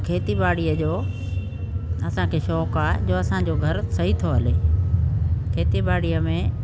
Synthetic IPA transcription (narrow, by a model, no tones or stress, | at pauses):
kʰeːt̪ibaːɽijəd͡ʑoː | ɐsãkʰeːʃɔːkaːed͡ʑoːɐsãd͡ʑoɡʱɐɾsɐɦit̪ʰoɦɐleː | kʰeːt̪ibaːɽijəmẽ